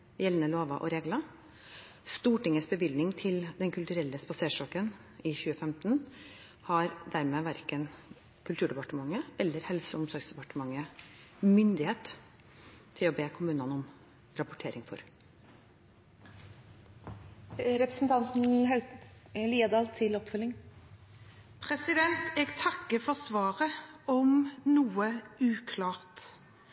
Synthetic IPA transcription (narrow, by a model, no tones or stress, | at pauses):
jɛlnəloːʋɑʔɔ̰ɾeːɡlɑ | st̪uːʈɪŋːəsbəʋɪld̪nɪŋt̪ʰɪld̪ɛnkʰʉlt̪ʉɾɛlːəspɑseːʂɔːkənɪçʉːəfɛmt̪n̩ | hɑɾd̪æɾmeːʋæɾkən | kʰʉlt̪ʉːɖɛpɑʈəmɑŋːəʔɛlːəɾhɛlsəʊmsɔɾɡsd̪ɛpɑʈəmɑŋːə | mʏnd̪ɪheːt̪ | t̪ʰːɪlɔbeːkʰʊmʉːnɑnɔm | ɾɑpʊʈʰeːɾɪŋfɔ̰ɾ | ɾɛpɾəsn̩t̪ʰɑnt̪n̩ɦɑʉliːəd̪ɑːlt̪ʰːɪlɔpfœlːɪŋ | pʰɾɛsɪd̪ɛnt̪ɛɡt̪ʰɑkːəfɔsʋɑːɾəɔmnuːəʉːkʰlɑːʁt̪